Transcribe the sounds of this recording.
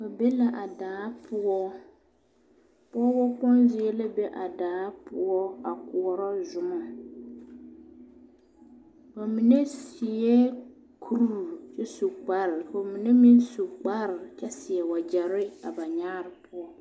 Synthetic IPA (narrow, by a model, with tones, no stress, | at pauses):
ba˨be˦la˦ʔa˨daː˨˦pʊ˦ɔ˦ | pɔ˦bɔ˦k͡pɔ˦nzɪ˦ɛ˦la˦be˦ʔa˨daː˨˦pʰʊ˦ɔ˦a˨kʊ˨ɔ˨ɾɔ˦zʊ˨ma˨ | ba˨mi˨ne˦si˨ɛ˦ | kʰu˦ɾu˦˨t͡ʃɛ˦su˨k͡pa˦ɾfo˨mi˨ne˦mi˦nsu˨k͡pa˦ɾɪ˨t͡ʃɛ˦sɪ˨ɛ˨wa˨d͡ʒɛ˨ɾɪ˦a˨ba˨ɲaː˦ɾɪ˨pʰʊ˦ɔ˦